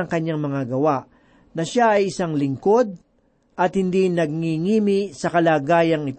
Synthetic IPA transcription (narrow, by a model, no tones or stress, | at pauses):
ɐŋkɐɲːaŋmɐŋaɡɐwaʔ | nɐʃaʔɐjɪsaŋlɪŋko̞d̪̚ | ʔɐt̪hɪnd̪inɐɡ̚ŋiŋiːmɪsɐkɐlaːɡaːjɐŋɪt̪